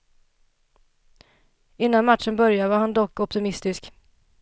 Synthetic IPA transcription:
ɪn̪ːanmat̪ʂənbœɾjavaɾhand̪ɔkːɔpt̪ɪmɪst̪ɪsk

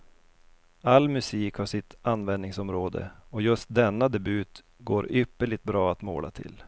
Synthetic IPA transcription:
alːmɵsiːkhaʂɪt̪anːvɛnd̪nɪŋsɔmɾoːd̪ə̰ɔjɵst̪̚d̪ɛnːad̪ɛbʉːt̪ | ɡoːɾʏpːəɭɪɡ̚t̪̚bɾɑːat̪mo̰ːlʔa̰t̪ʰɪ̰l

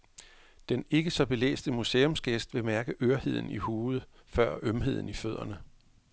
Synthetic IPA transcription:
d̥ene̝ɡ̥əsɒ̽b̥e̝lḛːsd̥əmuse̝ːɔ̽msɡ̥esd̥ʋe̝mæɐɡ̥əʔøɐhe̝ð̞̰ˠn̩ihuːð̩ˠ | fɶɐ̰ʔømɦe̝ð̞̰ˠn̩iføð̞̰ˠɐnə

